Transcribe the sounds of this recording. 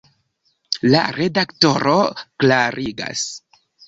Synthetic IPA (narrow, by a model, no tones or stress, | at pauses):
la̰ɾe̞dakto̞ɾoklaɾiɡa̰s